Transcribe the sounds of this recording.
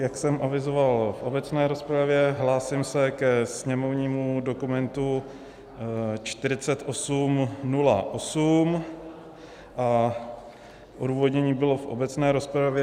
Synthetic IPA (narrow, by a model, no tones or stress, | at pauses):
jaksɛmʔavɪzovalfʔo̞bɛt͡snɛːɾo̞spɾavjɛɦlaːsɪmsɛkɛsɲɛmo̞vɲiːmudo̞kumɛnt̪u | t͡ʃt̪ɪɾɪt͡sɛt̪ʔo̞sumnula̰ʔosum | ʔa | ʔoduːvo̞d̪ɲɛɲiːbɪlo̞fʔobɛt͡snɛːɾo̞spɾavjɛ